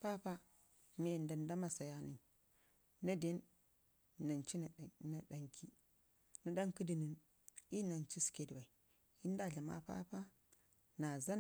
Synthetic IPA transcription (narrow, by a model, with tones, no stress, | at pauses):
pa˦pa˦˨ | me˦jnda˨n˦da˦ma˦sa˨ja˦ni˨n˨ | na˦de˦nː˨ | a˨nt͡ʃi˦n˨na˨ɗa˨ŋkʰi˦ | nu˦ɗa˦ŋki˦di˨ni˨n | i˦na˨nt͡ʃi˦ske˨dwa˨i˨ | i˦n˦da˦˨ɮa˨ma̰˦pa̰˦pa˦ | na˨za˦n˨